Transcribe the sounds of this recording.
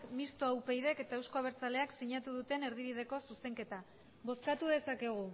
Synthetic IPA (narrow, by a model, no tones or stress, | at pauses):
kmist̪oawpe̞jðe̞ke̞t̪ae̞wsko̞aβ̞e̞ɾt͡sale̞aksiɲat̪uð̞ut̪e̞ne̞ɾð̞iβ̞ið̞e̞ko̞suse̞ŋke̞t̪a | βo̞skat̪uðe̞sake̞ɣ̞u